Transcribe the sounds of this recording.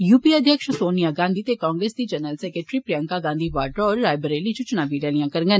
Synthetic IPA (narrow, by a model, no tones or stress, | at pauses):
juːpiːəd̪ʱjəkʃsoːnijaːɡãːnd̪ʱiːt̪eːkãːŋɡɾeːsd̪iːd͡ʒənəlsɛːkeʈɾiːpɾɪjə̃ŋkaːɡãːnd̪iːʋaːʈɔːɾːaːjbəɾeːlit͡ʃut͡ʃʊnaːbiːɾaːlijãːkəɾŋɡən